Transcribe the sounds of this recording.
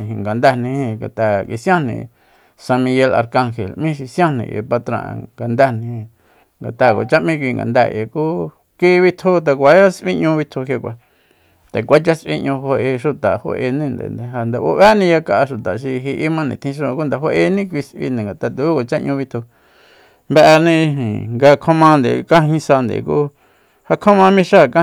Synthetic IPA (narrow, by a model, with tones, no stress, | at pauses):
ɦi˧˨ŋɡa˨nd̪a˧˨nĩ˧hĩ˧ŋɡa̰˨t̪a˧ki˧sj̃ã˦nḭ̃˧˨ | sa˧mĩ˧je˧la̰˧ɾka˧ŋxḛ˨lmĩ˦ʃi˧sj̃ã˦nḭ̃˧˨ʔḛ˧˨pa˧t̪ɾã̰˧˨˧ŋɡa˨nd̪a˦˨nĩ˧ĩ˧ | ŋɡa˨t̪a˧˨ko̰˨t͡ʃa˦ʔmĩ˦˧kʷi˧ŋɡa̰˨nd̪a˧˨ʔḛ˨ku˦ | ki˦˧βi˧t̪ʰu˦t̪̬a˧k̬ʷa˨˦a˦sʔḭ̃˦ʔɲũ˧βi˧t̪ʰu˧ɦe˧kʷa˧ | t̪e˨kʷa˦t͡ʃa˦sʔḭ˧ʔɲũ˧ɦo˧e˧ʃu˧t̪a˨ho̰˧ʔe˧nĩ˦˧nd̪ḛ˨nd̪e˨ɦa˧nd̪e˨ʔo̰˦βa˦nĩ˧ja˧ka˧ʔa˧ʃu˨t̪a˨ʃ̬i˧ɦi˧ʔi˦mã˦˧nĩ˧˨t̪ʰĩ˧ʃ̬õ˧ku˦nd̪a˨ɦo˦ʔe˧nĩ˦kʷi˧sʔḭ˧nẽ˨ŋɡa˨t̪a˧t̪u˧˨u˦ka˨t͡ʃa˦ʔɲũ˧βi˧t̪ʰu˧ | mbe˧ʔnĩ˧ɦḭ̃˨ŋɡa˧kʰõ˦mã˧nd̪ḛ˨kã˦ɦĩ˧sa˧nd̪ḛ˨kṵ˦ | ha˧kʰõ˦mã˧mĩ˧ʃa˦˨kã˦